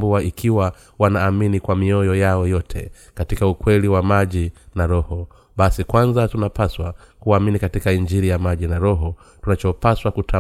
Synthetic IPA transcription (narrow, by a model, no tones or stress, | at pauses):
buaikʰiwa | wanaːminikwamiɔjɔjaɔjɔtʰɛ̰ | katikaukwɛliwamaʄinaɾɔhɔ | ɓasikwanzatunapaswakuaminikatikaind͡ʒiɾijamaʄinaɾɔɦɔ | tunat͡ʃɔpaswakutʰa